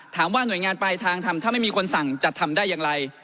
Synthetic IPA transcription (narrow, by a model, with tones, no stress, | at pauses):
t̪ʰaː˩˦mwaː˥˩nu˨˩˦jŋaː˧npa˧jt̪ʰaː˧ŋt̪ʰa˧mt̪aː˥˩ma˥˩jmiː˧kʰo˧nsa˨˩ŋt͡ɕa˨˩t̪ʰːa˧mdaː˥˩jːaː˧ŋɾa˧j